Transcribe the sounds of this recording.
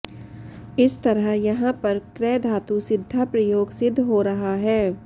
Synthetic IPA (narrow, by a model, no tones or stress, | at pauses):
ɪst̪ɐɾəɦjɐɦãpɐɾkɾɛːd̪ʱaːt̪usɪd̪ʱːapɾɐjoːɡsɪd̪ʱːɦoːɾɐɦaɦɛː